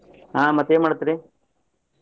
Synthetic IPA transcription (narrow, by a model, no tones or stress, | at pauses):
ɦãːmɐt̪ːeːmaːɽut̪ːiɾi